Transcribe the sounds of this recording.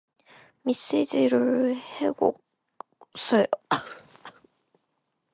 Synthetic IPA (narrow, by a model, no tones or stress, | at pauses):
misid͡ʑiɾɯɭheɡo̰ | sʌjo